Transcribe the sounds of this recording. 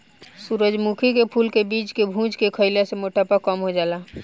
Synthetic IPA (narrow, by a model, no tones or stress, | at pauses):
suːɾəd͡ʒmukʰikepʰuːlkebiːt͡ʃkebʱũːt͡ʃkekʰəɪlasemoʈapakɔmɦod͡ʒaːlaː